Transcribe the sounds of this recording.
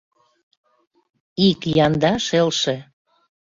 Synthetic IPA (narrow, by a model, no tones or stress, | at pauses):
ikjɑnd̪ɑʃelʃĕ